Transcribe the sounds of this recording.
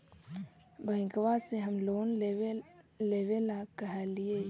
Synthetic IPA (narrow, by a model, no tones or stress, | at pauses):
bʱəɪ̃kʋaseɦəmloːne | leːʋelakəɦɛlie